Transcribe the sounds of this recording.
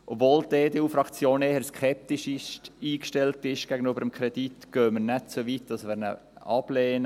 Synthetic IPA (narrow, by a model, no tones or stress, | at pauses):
ʔopvoːldeːdeuːfɾɑkt͡sjoːneːhəɾskʰɛp̚tiʃɪʃtiːkʃtɛltɪʃɡ̥æɡənybəɾəmkʰɾɛd̥itɡ̥øːmənɛtt͡soʋit̚d̥ɑsʋɪɾnə̰ | ɑb̥leːnə